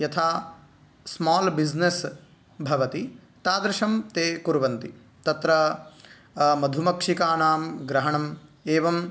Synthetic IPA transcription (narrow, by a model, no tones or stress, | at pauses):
jɐt̪ʰaː | smaːlbid͡ʒnes | bʱɐʋɐt̪i | t̪aːd̪ɾɐʃɐmt̪eːkuɾʋɐnt̪i | t̪ɐt̪ɾɐ | mɐd̪ʱumɐkʂikaːnaːmɡɾɐɦɐɳɐmeːʋɐm